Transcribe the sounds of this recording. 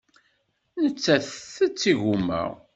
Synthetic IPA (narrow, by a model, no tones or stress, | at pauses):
nət͡sːæθθət͡sːiʝumːə̰ʁ